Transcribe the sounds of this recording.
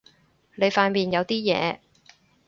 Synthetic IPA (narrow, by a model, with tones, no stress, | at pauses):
ne˨˧jfaː˧nmiː˨njɐ˨˧wt̪iː˥jɛ̰ː˨˧